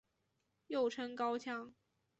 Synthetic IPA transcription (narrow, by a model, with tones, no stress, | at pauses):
jo˥˩ʊʈ͡ʂʰə˥ŋkɑ˥ʊt͡ɕʰjɑ˥ŋ